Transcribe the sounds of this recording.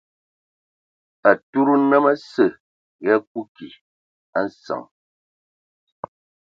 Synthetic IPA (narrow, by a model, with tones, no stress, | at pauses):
a˨tu˦ɾu˦nə˦mə˦sə˨ | ɣa˦k̚u˦ki˨ | a˦˨n̩˦sa̰˨ŋ